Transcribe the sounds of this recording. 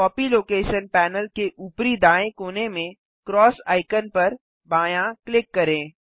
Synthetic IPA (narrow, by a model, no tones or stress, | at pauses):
kɔːpiloːkeːʃənpɛːnəlkeʔuːpɾid̪aːẽkoːnemẽ | kɾɔːsa̰ːɪkənpɐɾ | baːjãklɪkːɐɾẽː